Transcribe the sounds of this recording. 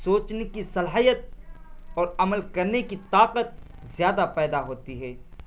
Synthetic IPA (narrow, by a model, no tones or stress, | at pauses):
soːt͡ʃnekisɐlaːɦijət̪̚ | ɔːɾɐməlkɐɾnekit̪aːqət̪̚ | zjaːd̪apɛːd̪aɦoːt̪iɦɛː